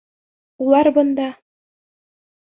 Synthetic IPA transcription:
ulˠɑɾbɤ̆nd̪ɑ

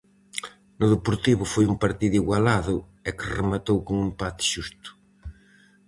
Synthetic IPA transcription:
nʊðepoɾt̪iβʊfojuŋpaɾt̪iðiɣwalaðʊ | ɛkɪremat̪owkoŋumpat̪ɪ̥ʃust̪ʊ̥

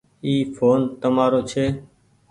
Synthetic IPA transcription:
iːfʰoːnt̪əmaːɾoːt͡ʃʰeː

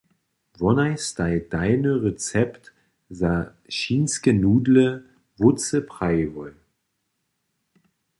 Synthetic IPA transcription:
vɔnaɪstaɪd̥aɪnəʁet͡sɛpt | za | ʃiːnskənuːdlə | vʊt͡səpʁ̥aɪvɔl

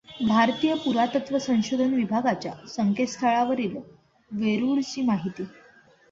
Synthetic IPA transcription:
bʱaɾt̪ijəpuɾat̪ət̪ʋəsə̃w̃ɕod̪ʱənʋibʱaɡat͡ɕja̰səŋkʰet̪st̪ʰəɭaʋəɾiːl | ʋeɾuɭt͡ɕiːmaɦit̪iː

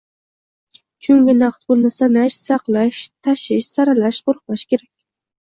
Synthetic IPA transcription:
t͡ʃʰʊŋɡʲɪnaqt̪bʊlˠnɪsanaʃsɑqlˠaʃt̪ʰaʃɪʃsaɾalaʃqʰʊɾq̚lˠaʃkʲeɾakʲ

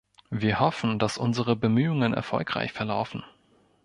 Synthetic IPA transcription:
viːɐhɔfn̩dasʔʊ̰nzəʁəbəmyːʊŋənɛ̰ɐfɔ̰lkʁ̥a̰ɪçfɛɐla̰ʊfn̩

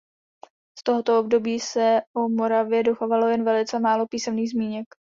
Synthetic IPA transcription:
st̪o̞ɦo̞t̪o̞ob̚do̞biːsɛʔomo̞ɾavjɛdoxavalo̞jɛnvɛlɪt͡sɛmaːlo̞piːsɛmniːɣzmiːɲɛk

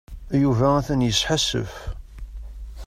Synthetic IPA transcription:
juvææθænjəsħasə̰f

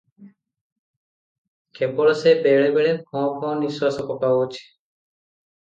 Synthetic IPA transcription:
kebɔɭɔsebeɭebeɭepʰɔ̃pʰɔ̃niswasɔkɔpaot͡ʃʰi̥

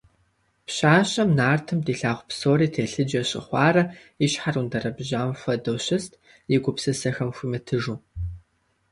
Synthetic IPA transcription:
pɕaːɕʼɐmnaːrtʰɨmdiːɬaːʁʷpsoːɾiːtʰeːɬɨd͡ʒɐɕʼɪ̰χʷɑːrɐ | iɕħarundɐrɐbʑaːmfɐdɐwɕɪstʰ | jɪɡʷʊpsɨsɐxɐmxʷimɐtʰɨʒuː

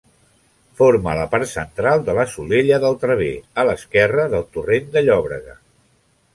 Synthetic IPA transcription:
foɾmələpaɾt̪sənt̪ɾalˠd̪ələsuleʎəðəlˠt̪ɾəβ̞eələskɛrəðəlˠt̪urend̪əʎɔβɾəɣə̰

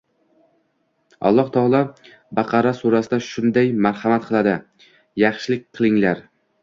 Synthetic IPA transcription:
ɒ̰lˠːɒht̪ʰɒlˠɒ | bɑqʰɑɾasuɾasɪd̪aʃʊnd̪ajmaɾhɑmat̪̚qʰɨlˠad̪ɪ | jɑχʃɪlɪk̚ʲqʰɨlˠɪŋlaɾ

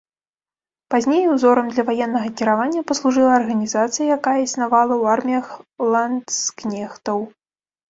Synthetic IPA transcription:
pazʲnʲejuwzɔɾɐmd̪lʲɐvajɛnːɐɣɐkʲiɾavanʲːɐpɐslˠuʐɨlˠɐːrɣɐnʲizat̪sɨjɐjakajɛisnavalˠɐwarmʲijɐxlˠansknʲɛxt̪ɐw

